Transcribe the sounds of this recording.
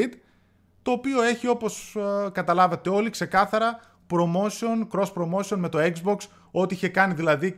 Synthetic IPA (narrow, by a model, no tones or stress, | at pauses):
id̪ | t̪o̞ːpio̞e̞çio̞po̞skɐt̪ɐlɐvɐt̪e̞o̞likse̞kɐθɐɾɐ | pɾo̞mo̞sio̞nkɾo̞spɾo̞mo̞sio̞nme̞t̪o̞ekzbo̞ks | o̞t̪iiçe̞kɐniðilɐði